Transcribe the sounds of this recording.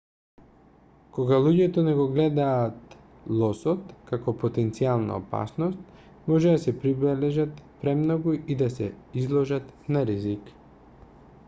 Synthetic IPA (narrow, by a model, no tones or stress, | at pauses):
kɔɡalˠuɟɛt̪ɔnɛɡɔɡlɛd̪aːt̪ | lˠɔsɔt̪kakɔpot̪ɛnt̪sialˠna̰ɔ̰pa̰snɔst̪̚ | mɔʒɛd̪asɛpɾibɛlɛʒat̪pɾɛmnɔɡuid̪asɛizlˠɔʒat̪naɾizik